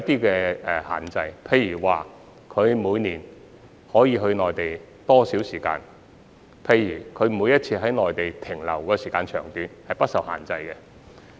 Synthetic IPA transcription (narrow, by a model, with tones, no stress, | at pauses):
t̪iː˥kɛː˧ɛ˨˧ha̰ː˨˩nt͡sɐ˧jpʰe˨˧jyː˨˩waː˨˩ | kʰɵ˨˧ɥmuː˨˧jniː˨˩n | hɔː˨˥jiː˨˧ɦɵ˧ɥnɔː˨jt̪e˨j | t̪ɔː˥siː˨˥wsiː˨˩ka̰ː˧n | pʰe˧jyː˨˩kʰɵ˨˧ɥmuː˨˧jɐ˥t̚t͡sʰiː˧ɦɐ˨˥jnɔː˨˩jt̪e˨jt̪ʰɪ˨˩ŋlɐ̰˨˩wkɔː˧siː˨˩kaː˧nt͡ʃʰœː˨˩ŋt̪yː˨nhɐ˨jpɐ˥t̚sɐ˨wha̰ː˨˩nt͡sɐ˧jkɛ˧